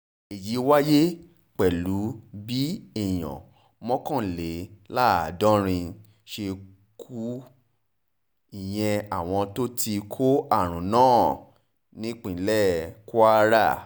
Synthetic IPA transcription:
e˨ji˨˦wa˦je˦ | k͡pɛ˨lu˨˦bi˦ɛ˦˨j̃ɔ̰̃˨ | mɔ̃˦kã˦˨le˨˦la˦˨dɔ̃˦ɾ̃ĩ˧ | ʃe˧ | kʰu˦ | i˦˨j̃ɛ̃˧a˨w̃ɔ̃˧to˦ti˧kʰo˦a˦˨ɾ̃ũ˨˦nãː˦˨ | nĩ˦k͡pĩ˨˦lɛ˦ko˦a˦ɾa˦˨

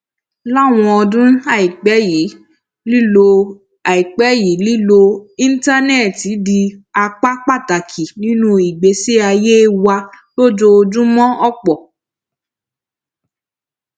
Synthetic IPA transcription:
la˦˨w̃ɔ̃˧ɔ˧dũ˦a˨i˨k͡pɛ˨˦ji˨˦ | li˦lo˧ | a˨i˨k͡pɛ˨˦ji˨˦li˦lo˧ĩ˦n̩˦ta˦nɛ˦˨ti˨˦di˧a˧k͡pa˦k͡pa˦˨ta˨kʰi˨nĩ˨˦nũ˦i˨ɡ͡be˨˦se˦a˧je˦wa˧ | lo˦d͡ʒo˧o˧d͡ʒũ˦mɔ̃˦ʔɔ˦˨k͡pɔ˨

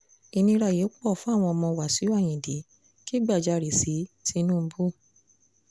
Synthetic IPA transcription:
i˧nĩ˧ɾa˧˨je˨˦k͡pɔ˦˨fũ˦a˦˨w̃ɔ̃˧ɔ˧mɔ̃˧wa˨si˨˦a˦˨j̃ĩ˨de˨˦ | ki˦ɡ͡ba˦˨d͡ʒa˧˨ɾi˨si˨˦ti˧nũ˦˨m̩˦bu˦˨

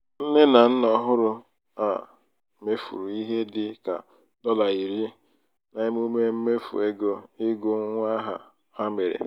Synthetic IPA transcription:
n̩˦ne˦na˨n̩˦nɔ˦ɦʊ˦ɾʊ˦ | a̰˨ | me˦fṵ˨ɾu˨i˦ɦe˦dɪ˨ka̰˨ | dɔ˦la˨i˨ɾi˦ | na˨˦ɲɪ˦m˦u˦me˦m̩˦me˦fṵ˨e˦ɡo˦ɪ˦ɡʊ˦ŋ˦ŋʷ˦a˦ɦa̰˨ | ha˦me˨ɾḛ˨

